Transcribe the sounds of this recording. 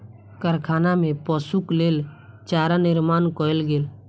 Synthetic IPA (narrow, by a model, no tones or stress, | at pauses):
kəɾkʰaːnamẽpɔsukleːl | t͡ʃaɾanɪɾmaːnkɔelɡeːl